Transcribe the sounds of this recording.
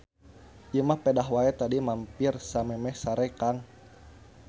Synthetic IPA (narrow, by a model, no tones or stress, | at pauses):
jəmahpɛdaɦwaɛt̪adimampirsamɛmɛsaɾɛkaŋ